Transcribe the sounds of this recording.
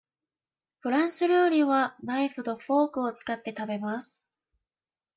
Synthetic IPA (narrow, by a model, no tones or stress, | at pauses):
ɸɯ̟ɾãɰ̃sɨɾɯːɾʲiβanaiɸɯ̟d̪o̞ɸo̞ːkɯ̟o̞t͡sɨ̥kat̪ːe̞t̪abe̞masɨ̥